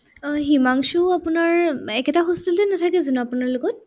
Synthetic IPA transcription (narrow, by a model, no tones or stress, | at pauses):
ɦimaŋsuapʊnaɹɛkɛtaɦostilɛnatʰakɛzanɔapunaɹlʊɡɔt̚